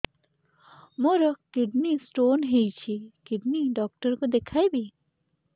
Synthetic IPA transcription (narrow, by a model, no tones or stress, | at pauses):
moɾɔkɪɖnisʈoːnɦejt͡ʃʰikɪɖniɖɔːk̚ʈəɾkod̪ekʰaebʱi